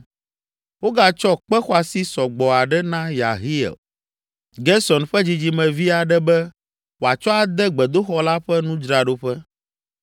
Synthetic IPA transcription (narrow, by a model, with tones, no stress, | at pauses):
wo˦ɡa˦t͡ʃɔ˦k͡pɛ˦xɔ˦a˨si˦sɔ˨ɡ͡bɔ˨a˨ɖɛ˦nã˦ja̰˨ɦi˦ɛ̰˨l | ɡɛ˦sɔ˨nɸɛ˦d͡ʑi˨d͡ʑi˨mɛ̃˨vi˦a˨ɖɛ˦bɛ˦ | wo˨a˨t͡ʃɔ˦a˨d̪ɛ˦ɡ͡bɛ˨d̪o˦xɔ˦la˦ɸɛ˦nũ˦d͡ʒɾa˨ɖo˦ɸɛ˦